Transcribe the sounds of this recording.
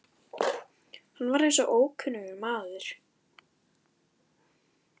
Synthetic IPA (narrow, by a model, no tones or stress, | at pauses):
hanvaɾejnsɔʔoːwkʰʏnʏɣʏɾmaːðʏɾ̥